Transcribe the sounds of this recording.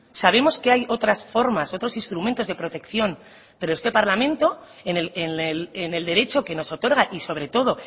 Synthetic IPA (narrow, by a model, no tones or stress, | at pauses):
saβ̞e̞mo̞skeajo̞t̪ɾasfo̞ɾmaso̞t̪ɾo̞sinst̪ɾumẽnt̪o̞zðe̞pɾo̞t̪e̞kθjo̞n | pe̞ɾoe̞st̪e̞paɾlamẽ̞nt̪o̞ | eneenelene̞ld̪e̞ɾe̞t͡ʃo̞ke̞no̞so̞t̪o̞ɾɣaʔiso̞β̞ɾe̞t̪o̞ð̞o̞